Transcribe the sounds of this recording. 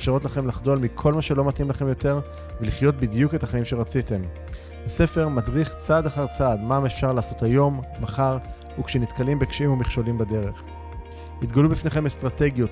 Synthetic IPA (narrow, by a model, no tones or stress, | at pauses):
fʃaʁo̞tlaχe̞mlaχdo̞lmikʰo̞lmaʃe̞lo̞matimlaχe̞mjo̞te̞ʁ | veliχjo̞t̚bidjuke̞taχaimʃe̞ʁat͡site̞m | hase̞fe̞ʁmadʁiχt͡sadaχaʁt͡sadmamefʃaʁlaːso̞thajo̞mːaχaʁ | ukʃenitkalimbekʃeimumiχʃo̞limbade̞ʁe̞χ | nitɡalubifneχe̞mestʁate̞ɡjo̞t